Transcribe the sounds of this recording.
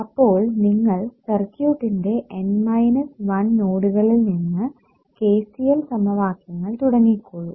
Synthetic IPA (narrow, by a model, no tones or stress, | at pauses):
ɐpːo̞ːɭniŋːɐɭsɐrkjuːʈːinde̞ʔenmɐjnɐsʋɐnnoːɽuɣɐɭilninːɨ | ke̞ːsijɐlsɐmɐʋaːkjɐŋːɐɭt̪uɽɐŋːikːoɻu